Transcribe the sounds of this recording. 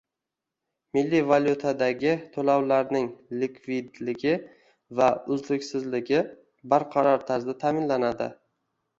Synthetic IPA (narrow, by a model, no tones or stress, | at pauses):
mɪlːivalʲjut̪ʰad̪aɡʲɪt̪ʰolawlaɾnɪŋlɪkʰvɪd̪lɪɡʲɪ | vaʊzlɪkʲsɪzlɪɡʲɪ | baɾqʰɑɾɒɾt̪ʰaɾzd̪at̪ʰaːmɪnlanad̪ɪ̰